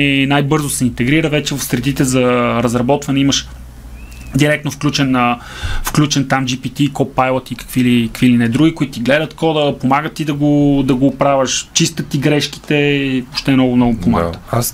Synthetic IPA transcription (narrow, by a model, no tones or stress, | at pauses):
ɛnajbɤɾzosɛint̪ɛɡɾiɾəvɛt͡ʃɛvɐfsɾɛd̪it̪ɛzɐɾəzɾɐbɔt̪vɐnɛiməʃ | d̪iɾɛk̚t̪nofklʲut͡ʃɛnə | fklʲut͡ʃɛnt̪amd͡ʒipit̪ikɔpːajlˠət̪ikə̥kvilikəkvilinɛd̪ɾuɡʲikʊit̪t̪iɡlɛd̪ət̪kɔd̪əpomaɡət̪ːid̪ɐɡod̪ɐɡoːpɾavəʃt͡ʃist̪ət̪ːiɡɾɛʃk̟i̥t̪ɛoʃt̪ɛmnɔɡʊmnɔɡʊmpoma̰t̪ə̥